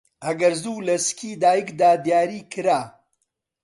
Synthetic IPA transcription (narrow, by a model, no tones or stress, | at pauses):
ɐɡɐɾzuːlɐskʰiːd̪aːjikd̪aːd̪jaːɾiːkʰɨɾaː